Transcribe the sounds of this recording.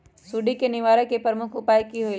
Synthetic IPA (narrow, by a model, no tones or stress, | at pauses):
suːɖikenɪʋaːɾẽkepɾəmʊkʰʊpaːikiɦoi